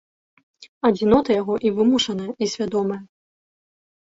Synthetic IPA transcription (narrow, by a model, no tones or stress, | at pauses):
ɐd͡zʲinɔt̪ɐjaɣɔʔivɨmuʂɐnɐjɐisʲvʲad̪ɔmɐjɐ